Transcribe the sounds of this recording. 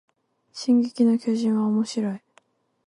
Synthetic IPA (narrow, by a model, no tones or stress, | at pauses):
ɕĩŋɡekʲino̞kʲo̞ːʑĩɰ̃βaomo̞ɕiɾo̞i